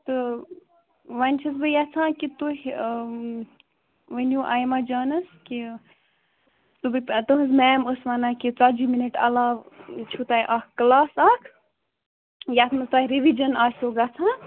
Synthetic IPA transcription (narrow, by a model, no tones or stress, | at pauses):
t̪ɨ | ʋɐnʲt͡ʃʰisbɨjat͡sʰãːkit̪uɦʲ | ʋənjuʔaːjmaːd͡ʒaːnɐski | t̪ubɨt̪ɨɦɨzmɛːməsʋɐnãːkit͡sad͡ʒiminiʈɐ̰laːʋt͡ʃʰut̪aːjʔakklaːsakʰ | jat̪ʰmɨst̪aːhʲɾiʋid͡ʒɐnaːsuɡɐt͡sʰãː